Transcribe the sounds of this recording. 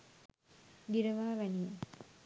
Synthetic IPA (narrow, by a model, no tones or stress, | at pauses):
ɡiɾəʋaːʋænijə